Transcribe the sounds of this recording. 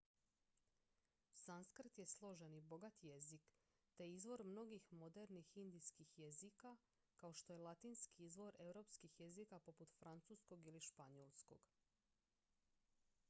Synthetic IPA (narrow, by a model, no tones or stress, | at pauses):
sanskr̩t̪je̞slˠo̞ʒenibo̞ɡat̪je̞zik | t̪e̞izʋo̞ɾmno̞ɡixmo̞d̪eɾnixind̪ijskixjezika | kaoʃt̪o̞jelˠat̪iːnskiizʋo̞ɾe̞ʋɾo̞pskixje̞zikapo̞put̪fɾant̪susko̞ɡiliʃpaɲolˠsko̞̰ɡ̥